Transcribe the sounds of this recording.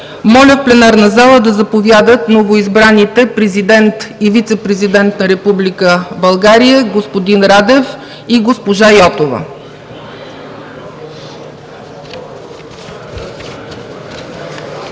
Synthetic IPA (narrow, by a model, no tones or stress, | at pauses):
mɔlʲəfplɛnaɾnɐzalˠəd̪ɐzɐpovʲjad̪ət̪novoizbɾanit̪ɛpɾɛzid̪ɛnt̪ivit̪sɛpɾɛzid̪ɛnt̪nɐɾɛpublikəbɐlˠɡaɾijəɡospod̪inɾad̪ɛf | iɡospoʒajɔt̪ovə̰